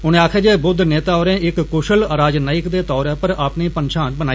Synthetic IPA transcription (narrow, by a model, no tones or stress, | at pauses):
ɦʊñẽːaːkʰeːd͡ʒeːbʊd̪ʱneːt̪aːoːɾẽːɪkkːʊʃəlɾaːd͡ʒnaːɪkd̪eːt̪ɔːɾɛːpəɾaːpneːpənʃãːnbənaːi